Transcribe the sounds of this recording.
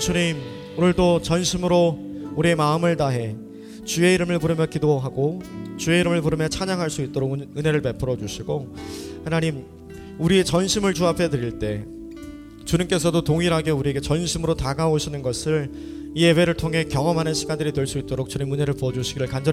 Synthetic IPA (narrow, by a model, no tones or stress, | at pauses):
t͡ɕuɲim | onɯɭdot͡ɕʌnɕʰimɯɾo | uɾie̞maɯmɯɭtaɦe̞ | t͡ɕue̞iɾɯmɯɭpuɾɯmjʌkidoɦaɡot͡ɕue̞iɾɯmɯɭpuɾɯmjʌt͡ɕʰaɲaŋɦaɭs͈uit̚t͈oɾoɡɯne̞ɾɯɭpe̞pʰɯɾʌd͡ʑuɕʰiɡohe̞naɲim | uɾie̞t͡ɕʌnɕʰimɯɭt͡ɕuapʰe̞dɯɾiɭt͈e̞ | t͡ɕuɲimk͈e̞sʰʌdotoŋiɾɦaɡe̞uɾie̞ɡe̞t͡ɕʌnɕʰimɯɾotaɡaoɕʰinɯnɡʌsʰɯɭ | iewe̞ɾɯɭtʰoŋɦe̞kjʌŋʌmɦanɯnɕʰiɡandɯɾitɯɭs͈uit̚t͈oɾok̚t͡ɕuɲimune̞ɾɯɭpuʌd͡ʑuɕʰiɡiɾɯɭkand͡ʑʌ